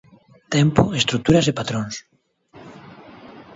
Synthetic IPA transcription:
t̪empoest̪ɾuk̚t̪uɾasepat̪ɾoŋs

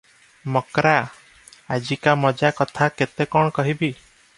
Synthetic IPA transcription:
mɔkɾaː | d͡ʒikamɔd͡ʒakɔt̪ʰaket̪ekɔɳ̃kɔɦibi

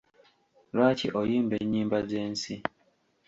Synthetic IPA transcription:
ɾwaːciʔojiːmbeɲːiːmbazeːnsi

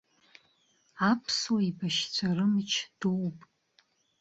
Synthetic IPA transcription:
apʰswibaʃt͡sʷʰarɨmɨt͡ʃʰd̥uwpʼ

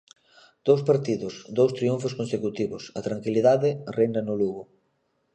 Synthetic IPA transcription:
d̪̥owspaɾt̪iðʊsd̪owst̪ɾiuɱfʊskonsekut̪iβʊsɐt̪ɾaŋkiliðaðɪrʔejnɐnʊluɣʊ

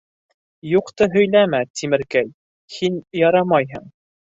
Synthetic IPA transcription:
juqt̪ɤɦɵ̆jlæmæt̪ʰimɘ̆ɾkæj | hinjɑɾɑmɑjɦɤɴ

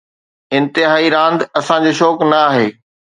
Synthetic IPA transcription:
ɪ̃nt̪ɪɦaːiɾãːnd̪ɐsãd͡ʑoːʃɔːknɐaːɦeː

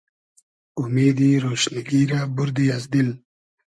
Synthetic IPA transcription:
umeːd̪iɾoːʃniɡiɾabʊɾd̪iazd̪il

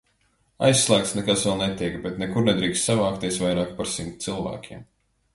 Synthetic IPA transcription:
a̰jsːlˠæːk̚t̪snɛkasvɛlˠnɛt̪ʲiɛkbɛt̪nɛkuɾnɛd̪ɾiːkst̪savaːkt̪iɛsvajɾaːkpaɾsimt̪̚t̪silˠvæ̰ːkʲim

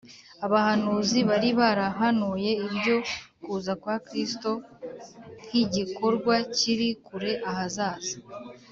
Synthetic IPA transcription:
aβahanuːziβaɾiβaɾaɦanuje̞ibɟo̞kuːzakwaːkɾisto̞ | n̥hiɟiko̞ɾɡwaciɾikuɾe̞ʔahazaːz̥a

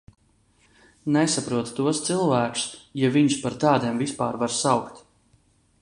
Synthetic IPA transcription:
nɛsapɾuɔt̪t̪uɔst̪sɨlˠvæːksjaviɲspaɾt̪ɑːd̪iɛmvispaːɾvaɾsawkt̪

